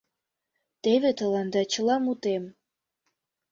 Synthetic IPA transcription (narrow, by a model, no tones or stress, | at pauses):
t̪eβet̪ə̆lɑnd̪ɑt͡ɕə̆lɑmut̪em